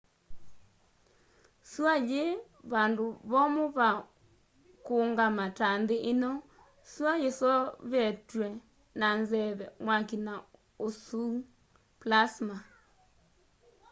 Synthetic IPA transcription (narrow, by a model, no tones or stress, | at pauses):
swaje | βandoβɔmoβa | koŋɡamatandeʔenɔ | swajesɔβɛtwɛ | nanzɛβɛmwakina | osu | plasma